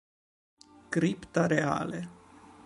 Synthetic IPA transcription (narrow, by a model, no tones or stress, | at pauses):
kɾipt̪aɾea̰ːle